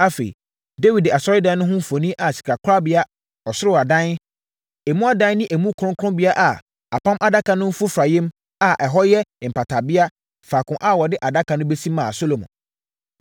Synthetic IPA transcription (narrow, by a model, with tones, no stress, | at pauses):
a˦fḛ˨ḭ˨ | de˦wi˨da˨sɔ˦ɾɪ˦dã˦nʊ̃˦ɦʊ̃˦m̩˦fo˨nĩ˦ʔa˨si̥˨kʰɾa˨kʰʊ˦ɾa˦bɪ˦a˦ | ɔ˨sʊ˦ɾɪ˦˨a˨dã˦n | ɛ˨mũ˦a˦dã˦n˦nɪ̃˦ʔæ˨mũ˦kʰʊ̃˦ŋ˦kʰʊ̃˦bɪ˦a˦ʔa˨ | a̰˨pʰã˦mʔa˨da˦kʰã˨nʊ̃˦m̩˦fʊ˦fɾa˨jɛ̃˦m | a˨ʔɛ˨ɦɔ˦jɛ˦˨m̩˨pʰa˨tʰa˨bɪ˦a˦ | fa˨kʰʊ̃˨ʔa˨wɔ˨dɪ˦ʔa˨da˦kʰã˨nʊ̃˦be˦sĩ˦mːãː˨so˦lo˨mʊ̰̃˨